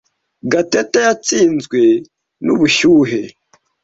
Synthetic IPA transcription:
ɡatetajat͡siːnzɡwe̞ | nuβuçuːɦe̞

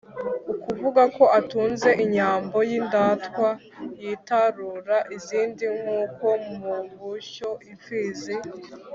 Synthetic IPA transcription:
ukuvuɡako̞ʔatuːnze̞ʔiɲaːmbo̞jindaːtwa | jitaɾuɾaʔiziːndiŋuːko̞mmuβuʃo̞ʔifiːze

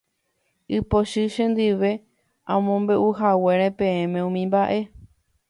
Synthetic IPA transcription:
ɨpoʃɨʃẽnd̪ɨʋe̞ | ãmõmbe̞ʔuɦawe̞ɾ̃ẽpẽẽmẽ̞ũmĩmbaʔe̞

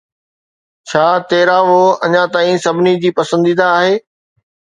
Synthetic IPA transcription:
t͡ɕʰaːt̪eːɾaʋoːɐ̰ɲãt̪aːĩsɐbʱɪnid͡ʑiːpɐsə̃nd̪iːd̪aːɦeː

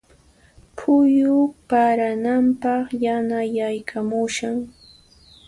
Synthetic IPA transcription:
pʰʊjʊpaɾanampɑχjanajajkʰamʊʃaŋ

